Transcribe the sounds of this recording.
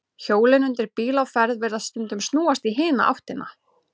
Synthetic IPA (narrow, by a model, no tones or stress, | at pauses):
çoːwlɪnʏnt̪ɪɾpiːlawfɛɾðvɪɾðaðst̪ʏnt̪ʏmst̪nuːast̪iɦɪːna̰ʔa̰wht̪ɪnʔa̰